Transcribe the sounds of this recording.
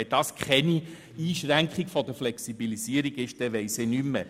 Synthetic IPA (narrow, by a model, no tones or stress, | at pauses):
ɛd̥̪ɑːskχɛni | iːʃʁæŋkχiɡ̥fɔd̥̪əflɛksibilisiəɾiɡɪʃd̥ɛʋɛɪsenymːə